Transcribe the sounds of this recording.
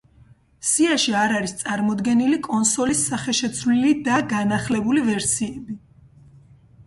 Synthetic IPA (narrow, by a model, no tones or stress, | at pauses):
siaʃiaɾaɾist̪sʼaɾmɔd̪ɡɛnilikʼɔnsɔlisːaχɛʃɛt̪sʰvlilid̪aɡanaχlɛbulivɛɾsiɛbi